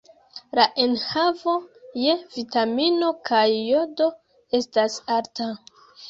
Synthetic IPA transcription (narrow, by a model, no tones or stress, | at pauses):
laʔenhavo̞jevitamino̞kʰajːo̞do̞ | e̞stasaɾta